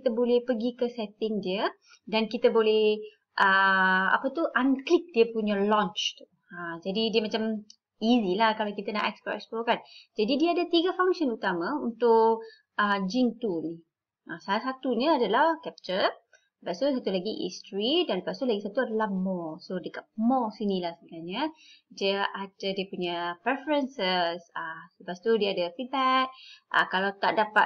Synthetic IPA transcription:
it̪abolɛhpəɡikəsɛt̪ɪŋdiə | dankit̪abolɛh | ʔəa̰pət̪uʔanklɪk̚diəpuɲalɔ̃nt͡ʃt̪u | ad͡ʒadidiəmat͡ʃam | izilahkalawkit̪ana̰ʔɛkspoʔɛ̰ksplokand͡ʒadidiəadat̪iɡafaŋʃənut̪amaunt̪ʊʔ | əd͡ʒiŋt̪uni | ʔasalasat̪unəadalahkɛp̚t͡ʃə | əpast̪usat̪ulaɡiʔḭst̪ɾidanəpast̪ulaɡisat̪uadalahmɔsodəkat̪̚mɔsinilahsəbəɡaɲədəʔad͡ʒədiəpuɲapɾɛfəɾənsəsasəpast̪udiəadəfit̪̚bɛk̚ʔə̰kalawt̪aʔdapa

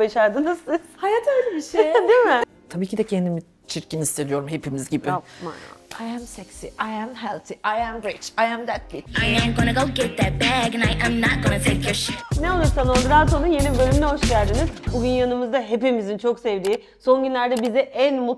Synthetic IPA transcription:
baʃaɾd̪ɯnashajat̪øjlʲɛbiʃejd̪imɪ | t̪ʰabiːcʰid̪ɛcʰɛnd̪imi | t͡ʃʰiɾcinist̪ʰe̞d̪ijo̞ɾumhe̞pʰimizɟibima̰na̰ajæmsɛksiʔajæmɦɛlˠt̪ʰiʔajæ̃mɹɪt͡ʃajæ̃md̪æt̪̚fit̪ajæ̃mɡonəɡoʊɡɛt̪̚ðəbæɡɨ̃naɪjʔãmnat̚ɡ̥onətʰekʰɛʃneolˠuɾsanod̪ɾaːt̪ʰo̞nunje̞nibø̞lʲymlɛɦo̞ʃcælʲd̪iniz̥buɟynjanɯmɯzd̪aɦe̞pimizint͡ʃʰo̞ksɛvd̪iː | so̞nɟynlʲæɾd̪ɛbizɛʔænmu

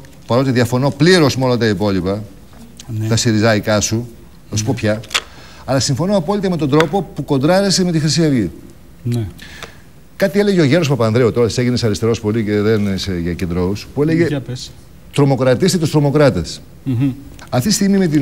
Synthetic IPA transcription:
pɐɾo̞t̪iðiɐfo̞no̞pliɾo̞smolont̪ɐipo̞lipɐ | t̪ɐsiɾizɐikɐsu | θɐsu̥popçɐ | ɐlɐsiɱfo̞noɐpo̞lit̪eme̞t̪od̪ɾo̞po̞puko̞nd̪ɾɐɾese̞me̞t̪ixɾisiɐvʝi | n | kɐt̪ie̞le̞ʝeo̞ʝe̞ɾospɐpɐnðɾiot̪o̞ɾɐseɣinesɐɾist̪e̞ɾo̞spo̞lice̞ðeneseʝɐce̞nd̪ɾouspue̞leʝe̞ | t̪ɾo̞mo̞kɾɐt̪ist̪et̪ost̪ɾo̞mo̞kɾɐt̪es | ɐft̪it̪ist̪iɣmime̞t̪̬i

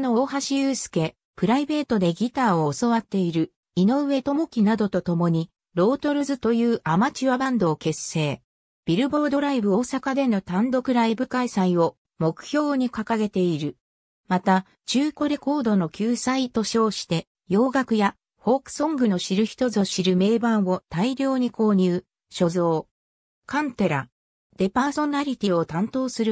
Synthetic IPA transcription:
nooːɦaɕiɯːsɨ̥ke̞ | pɯ̟ɾaibe̞ːt̪o̞d̪e̞ɡʲit̪aːoːso̞βat̪ːe̞iɾɯ̟ | ino̞ɯ̟βe̞t̪o̞mo̞kʲinad̪o̞t̪o̞t̪o̞mo̞ɲ̟i | ɾo̞ːt̪o̞ɾɯ̟zɨt̪o̞jɯ̟ːʔamat͡ɕiβabãnd̪o̞ːke̞se̞ː | b̥ʲiɾɯ̟bo̞ɾd̪o̞ɾaibɯ̟o̞ːsakad̪e̞no̞t̪ãnd̪o̞kɯ̟ɾaibɯ̟kaisaio̞ | mo̞kɯ̟̥çʲo̞ːɲ̟ikakaɡe̞t̪e̞iɾɯ̟ | mat̪a | t͡ɕɨːko̞ɾe̞ko̞ːd̪o̞no̞kʲɨːsait̪o̞ɕo̞ːɕi̥t̪e̞ | jo̞ːɡakɯ̟ja | ho̞kɯ̥sõ̞ŋɡɯ̟no̞ɕiɾɯ̟çi̥t̪o̞zo̞ɕiɾɯ̟me̞ːbãɰ̃βo̞t̪aiɾʲo̞ːɲ̟iko̞ːɲ̟ɯː | ɕo̞zo̞ː | kãnt̪e̞ɾa̰ | d̪̥e̞paːso̞naɾʲit̪ʲio̞t̪ãnt̪o̞ːsɨɾɯ̟

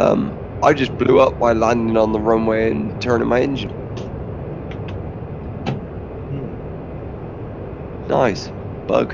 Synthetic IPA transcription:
ʔʌ̰̃m | ʔaɪd͡ʒʌsb̥lʉʌp̚maɪlæ̃ndɪ̃ŋə̃nðəɹʊ̃ʊ̃mweɪɨ̃ntʰɜ̃˞nɪ̃ŋmaɪɛ̃nd͡ʒɨ̃n | na̰ɪs | b̥ʌ̰ʊk

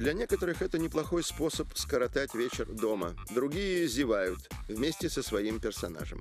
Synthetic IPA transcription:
d̪lʲɐnʲe̞kət̪əɾɨxɛt̪ənʲɪplˠɐxo̞jspo̞səpskəɾɐt̪atʲvʲet͡ɕɪrd̪o̞mə̰d̪ɾʊɡʲijɪzʲɪvajʊt̪vmʲesʲtʲɪsəsvɐimpʲɪrsɐna̰ʐə̰m

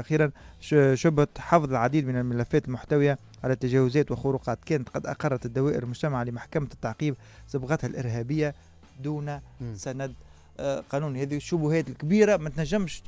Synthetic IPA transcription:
ʔaxiːɾanʃʊbhæt̪ħɑfðˤɪlʕad̪iːd̪mɪnɪlmɪlæfːɛːt̪ɪlmʊħt̪awɪja | ʕalæːt̪ːaʒɛːwʊzɛːt̪wɪxʊɾuqɑːt̪kɛːnæt̪qɑd̪ʔɑ̰qɑrˤːɑt̪ɪd̪ːawɛːʔɪ̰ɾɪlmʊʒt̪amaʕalɪmaħkæmæt̪ːaʕqiːb̚ | sɑbɣɑt̪halʔɪ̰ɾɦɛːbɪjːa | d̪uːnæsænæd̪ | qɑːnuːnihɛːðiʃːʊbʊhɛːt̪ɪlkbiːɾamæt̪næʒːɪmʃ

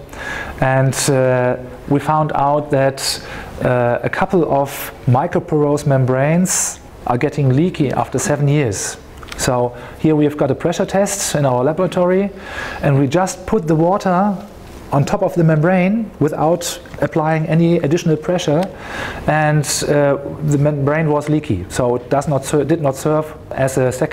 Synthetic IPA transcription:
ɨ̃nd | wifãʊ̃nda̰ʊt̪̚ðæt | əkʰʌpl̩ˠɔvmaɪkɹopʰəɹoʊzmɛ̃mbɹẽɪ̃nz̥ | ʔə˞ɡɛɾɪ̃ŋlikʰiʔæ̰ftə˞sɛvn̩jɪɹz̥ | soʊ | hiɹwivɡɑɾəpʰɹ̥ɛʃə˞tʰɛstɨ̃naʊə˞læbə˞ətʰɔɹi | ʔɨ̃ndwid͡ʒʌst̚pʰʊt̪̚ðəwɔtə˞ | ʔə̃ntʰɔpʌvðəmɛ̃mbɹẽɪ̃nwɪθa̰ʊtɨpʰl̥aɪɪ̃ŋɛniɨdɪʃn̩l̩ˠpʰɹ̥ɛʃə˞ | ɨ̃n | ðɨmɛ̃mbɹẽɪ̃nwʌzlikʰḭsoʊɪt̚d̥ʌznətsɜd̥ɨdⁿnətsɜ˞v | ɨzɨsɛk

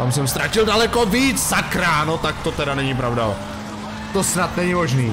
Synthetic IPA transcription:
t̪amsɛmst̪ɾacɪldalɛko̞viːt͡szakɾaːnot̪ak̚t̪ot̪ɛdanɛɲɪpɾavda̰ | t̪o̞snat̪nɛɲɪmo̞ʒniː

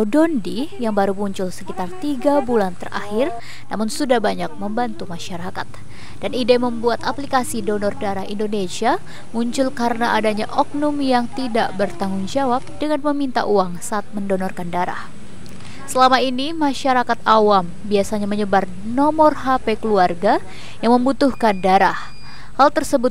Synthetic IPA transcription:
dɔndijaŋbaɾumuɲt͡ʃʊlsə̥kit̪art̪iɡabulant̪əra̰hɪr | namʊnsudahbaɲak̚məmbant̪umaʃaɾakat̪̚ | d̥anidɛməmbuat̪aplikasidonɔrdaɾahindonesia | muɲt͡ʃʊlkaɾənaʔadaɲaʔɔk̚nomjaŋt̪idaʔbərt̪aŋʊŋd͡ʒawap̚dəŋanməmint̪a̰ʔuaŋsaʔːt̪̚məndonɔrkandaɾa̰h | səlamainimaʃaɾakat̪awam | biasaɲaməɲəbar | nɔmɔrɦapekəluarɡa | jaŋməmbut̪uhkandaɾah | halt̪ərsəbʊt̪̚

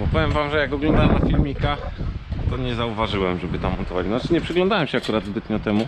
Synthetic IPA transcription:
bɔpɔvjɛmvamʐɛjakɔɡlɔ̃nd̪aɛmnafʲilmʲikat̪ɔɲɛzauvaʐɘwɛmʐɛbɘt̪amːɔnt̪ɔvat͡ɕnnat͡ʂɘɲɛpʂɘɡlɔnd̪awɛmɕɛakuɾad̪zbɘt̪ɲɔt̪ɛmu

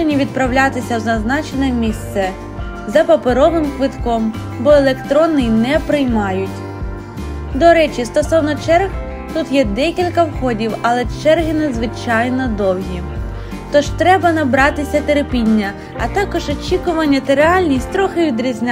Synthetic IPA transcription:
enʲiʋʲid̪̚pɾɐwlʲat̪ɪsʲɐwzɐznɑt͡ʃenɛmʲist̪sɛ | zɐpɐpeɾɔʋɪmkʋɪt̪kɔm | bɔelˠekt̪ɾɔnːɪnɛpɾɪjmɑjʊtʲ | d̪ɔɾɛt͡ʃist̪ɔsɔwnɔt͡ʃɛrɣ | t̪ut̪jɛd̪ɛkʲilʲkɐwxɔdʲiwɐlˠɛt͡ʃɛrɦɪnɐd̪zʋɪt͡ʃɑjnɔd̪ɔw̪ˠɦʲi | t̪ɔʒt̪ɾɛbɐnɐbɾɑt̪ɪsʲɐt̪eɾɪpʲinʲːɐ | ɐt̪ɑkɔʒɔt͡ʃʲikʊʋɐnʲːɐt̪ɐɾeɑlʲnʲisʲtʲt̪ɾɔxɪʋʲid̪ɾʲizʲnʲa

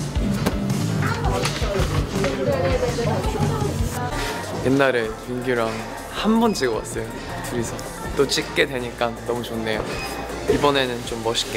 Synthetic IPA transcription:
jenːaɾepuŋɡjuɾaŋ | hambʌnd͡ʑiɡʌwa̰s͈ʌjo | kɯɾisʰʌ | t͈ot͡ɕ͈ik̚k͈e̞dwe̞ɲik͈ant͈ʌmɯt͡ɕʰonːe̞jo | ibʌne̞nɯnt͡ɕomːʌɕʰi̥k͈e

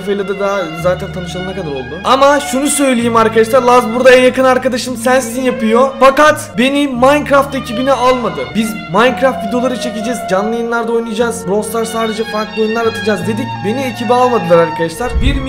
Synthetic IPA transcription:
fejlʲad̪ɛd̪azaːt̪ʰænt̪ʰanɯʃlˠaɯnɛkad̪aɾo̞̰lˠd̪uamaʃunusø̞jlʲejimaɾkad̪aʃ̬lˠaɾlˠazbuɾd̪aænjakʰɯnaɾkad̪aʃɯmsænsizinjapɯjofakat̪be̞nimajnkɾaft̪ecʰibinialˠmad̪ɯbizmajnkɾaft̪bid̪olˠaɾɯt͡ʃʰe̞cid͡ʒɛzd͡ʒanlˠɯjɯnlˠaɾd̪ao̞jnɯjd͡ʒaːzbɾˠoslˠaɾsaːd̪e̞d͡ʒɛfaɾklˠiojunˠaɾat̪ʰɯd͡ʒaːzd̪e̞d̪icbe̞niecʰibialˠmad̪ɯlˠaɾaɾkʰad̪aʃlˠaɾ̥biɾm

